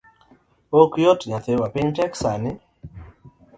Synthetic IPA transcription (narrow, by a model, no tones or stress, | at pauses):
okjɔtɲaθɪwapɪɲtɛksanɪ